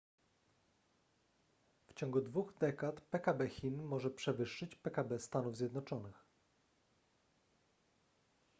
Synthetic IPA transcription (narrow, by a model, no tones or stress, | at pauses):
ft͡ɕɔŋɡud̪vuɣd̪ɛkat̪pɛkabɛxʲinmɔʐɛpʂɛvɘʂːɘt͡ɕpɛkabɛst̪anuvzʲjɛd̪nɔt͡ʂɔnɘx